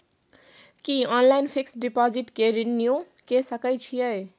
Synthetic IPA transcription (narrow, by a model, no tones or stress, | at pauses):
kiɔnlajnpʰiksɖipɔd͡ziʈkeɾinːjo | kesʌkʌjt͡sʰijʌj